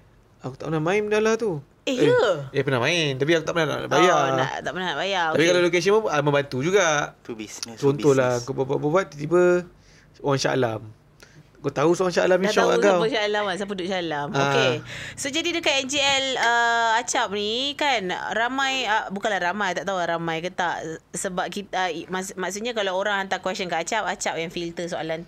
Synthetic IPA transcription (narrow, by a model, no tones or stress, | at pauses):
akut̪aʔpənahmãinmdalaht̪u | eheepənahmãɪnt̪ap̬iakut̪aʔpənat̪a̰ʔbajan̰t̪aʔpənaaʔbajaapikalalokes̬iəməmə̃mbant̪ud͡ʒuɡaʔt͡ʃɔnolaŋkabaʔbaʔbabat̪̚t̪ibə | oɾaŋsa̰lam | kat̪ausoɾaŋsaalamiʃɔkakawasaalamas̬ap̬ədʊʔsaalamokesod͡ʒadidəkat̪ɛnd͡ʒiɛləat͡ʃap̚nikanɾamãjabukanlahɾamãjt̪aʔt̪auaʔɾamãjkət̪aʔsəbap̚kit̪amasmaʔsuʔɲakalawoɾaŋant̪akwɛsənkaat͡ʃapat͡ʃap̚jaŋfilt̪əsoa̰lan